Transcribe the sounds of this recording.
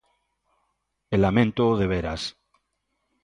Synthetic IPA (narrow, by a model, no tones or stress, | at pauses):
elamẽnt̪oðeβ̞eɾa̰s